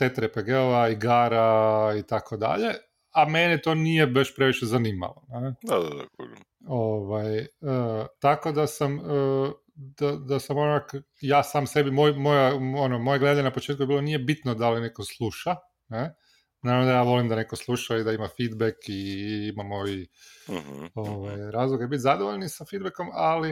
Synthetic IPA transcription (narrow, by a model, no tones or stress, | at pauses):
t̪et̪ɾepeɡeoʋaiɡaːɾait̪akʰod̪a̰ʎe̞ | amenet̪o̞nijebaʃpɾe̞ʋiʃezaniːma̰ʋoned̪ad̪ad̪ako | oʋajət̪ako̞d̪asamə | d̪̥ad̪asamonak | jaːsaːmse̞bimojmo̞jaonomojeɡle̞d̪aɲenapo̞t͡ʃet̪̚kujeilonije̞bit̪nod̪alinekoslˠuʃa | ne | naːɾaʋnod̪ajaːʋo̞limd̪ane̞ko̞slˠuʃaid̪aimafid̪bekiimamoʋi | oʋajɾaːzlˠoɡebit̪ʲzad̪oʋoʎnisafid̪̚bekomali